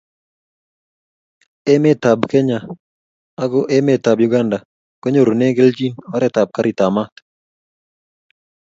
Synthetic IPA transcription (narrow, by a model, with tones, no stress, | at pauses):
ɛ˦mɛ˦t̪a˨bkɛ˦ɲa˨ | a˦ɡɔ˦ʔɛ˦mɛ˨t̪a˨bju˨ɡa˦nda˨ | kɛ˦ɲo˦ɾo˨nɛ˦ɡɛ˦ld͡ʒi˦nɔ˦ɾɛ˦t̪a˨b̚ka˦ɾi˨t̪a˨ma˦t̪